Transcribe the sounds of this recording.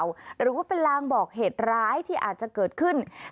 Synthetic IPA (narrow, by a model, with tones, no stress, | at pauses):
wɾɯː˨˩˦waː˥˩pe˧nlaː˧ŋbɔː˨˩k̚ɦeː˨˩t̪̚ɾaː˦˥jt̪ʰiː˥˩ʔa̰ː˨˩t̪̚t͡ɕa˨˩kɤː˨˩t̪̚kʰɯ˥˩n